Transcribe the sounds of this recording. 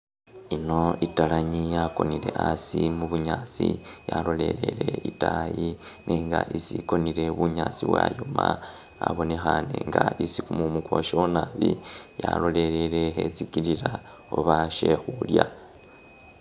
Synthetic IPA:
ino̞italaɲijako̞nile̞ʔasimuβuɲaːt͡sijalo̞le̞le̞ɾeitajinʔeŋɡaʔisiko̞niɾe̞βuɲaːt͡siβwa̰joma | aβo̞nexane̞ŋɡaisikumumukwo̞ʃonaβijalo̞le̞ɾelexe̞t͡sikiliɾa | oβaʃe̞xulja

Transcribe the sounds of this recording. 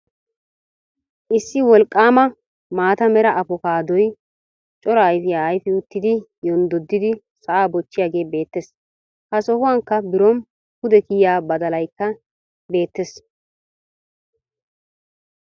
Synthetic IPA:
ʔɪsːɪwɔlkʼːaːmɐ | maːt̪ɐmɛɾɐʔɐpɔkaːd̪ɔj | t͡ʃʼɔɾɐːjfɪjaːjfɪʊt̪ːɪd̪ɪjɔnd̪ɔd̪ːɪd̪ɪ | sɐʔaːbɔt͡ʃːɪjaːɡe̞ːbe̞ːt̪ːes | hɐsɔhʊwaŋkːɐbɪɾɔn | hʊd̪ɛkɪjjaːbɐd̪ɐlɐjkːɐ | be̞ːt̪ːes

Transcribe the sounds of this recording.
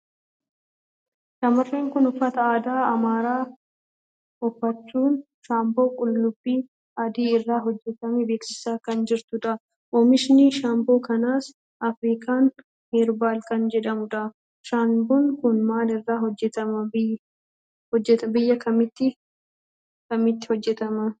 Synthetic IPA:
sɐmɐrːeːŋkʊnʊfːɐt̪ɐaːd̪aːɐmaːɾaː | ɔfːɐt͡ʃːuːn | ʃaːmbo̞ːkʼʊlːʊbːiː | ɐd̪iːɪrːaːɦɔd͡ʒːɛt̪ɐmɛbe̞ːksɪ̥saːkɐnd͡ʒɪɾt̪ʊᶑɐ | ʔɔmɪʃnɪʃaːmbo̞ːkɐnaːs | ʔɐfɾiːkaːn | heːɾbaːlkɐnd͡ʒɛᶑɐmʊᶑɐ | ʃaːmbuːnkʊnmaːlɪrːaːɦɔd͡ʒːɛt̪ɐmɐ | ɔd͡ʒːɛt̪ɐbɪjːɐkɐmɪt̪ːɪ | kɐmɪt̪ːɪ̥hɔd͡ʒːɛt̪ɐmɐ

